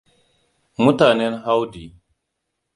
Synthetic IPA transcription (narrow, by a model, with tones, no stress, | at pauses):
mu˦ta˨ne˦nɦa˦wdi˨